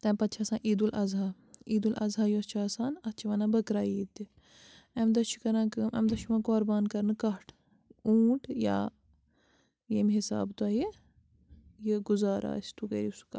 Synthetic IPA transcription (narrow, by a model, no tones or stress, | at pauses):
t̪ɐ̃ːpɐt̪ːt͡ʃʰaːsãːʔiːd̪ulʔɐzaː | iːd̪ulʔɐ̰zaːjuɐt͡ʃʰaːsaːnɐt͡ʃʰiʋɐnãːbɐkɾaːiːt̪i | ɐmd̪ɐʃʰu̥kɐɾãːkmʔɐ̰md̪ɐʃuʋãːkoːɾbaːnkɐɾnɨkɐʈʰ | uːʈʰja̰ː | jemʲɦɪsa̰ːbt̪aːɦe | jeɡʊzaːɾa̰ːst̪ukɐɾisu̥ka